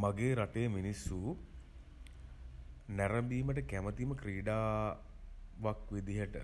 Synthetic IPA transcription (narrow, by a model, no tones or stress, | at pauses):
maɡeːɾaʈejəminisːu | næɾəmb̪iːməʈ̬əkæmət̪iməkɾiːɖaː | ʋakʋed̪iɦəʈə